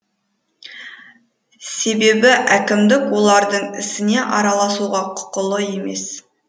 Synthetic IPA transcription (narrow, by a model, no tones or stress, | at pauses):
se̞be̞bɪʔækʲɪmd̪ɪkwo̞lˠɑɾd̪əɴɪ̰sɪne̞ʔɑɾɑlˠɑsuʁɑqʰʊ̥qʊlˠəje̞me̞̰s